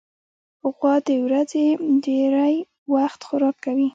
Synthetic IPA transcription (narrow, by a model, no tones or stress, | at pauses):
hʊɣwɑd̪əwɾazed̪eɾaj | waxt̪xʊɾɑkːawi